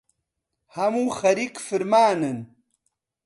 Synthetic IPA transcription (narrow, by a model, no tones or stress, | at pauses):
hɐmuxɐɾikfiɾmaːnɐn